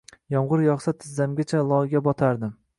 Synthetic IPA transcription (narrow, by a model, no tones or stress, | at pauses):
jɒmʁʊɾjɒχsat̪ʰɪzːamɡʲat͡ʃʰalˠɒɡʲabɒt̪ʰaɾd̪ɪm